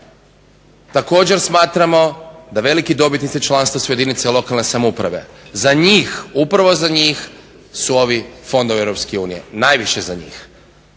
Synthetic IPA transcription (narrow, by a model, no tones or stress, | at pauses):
t̪ako̞ːd͡ʑe̞ɾsmaːt̪ɾamo̞d̪aʋe̞likid̪o̞bit̪nit̪sit͡ʃlˠanst̪ʋasujed̪init̪seilˠo̞kalne̞samoupɾa̰ʋe̞̰zaɲiːxupɾaʋo̞zaɲiːx | suo̞ʋifo̞nd̪oievɾo̞p̪skeuːnije̞̰najʋiʃezaɲḭːx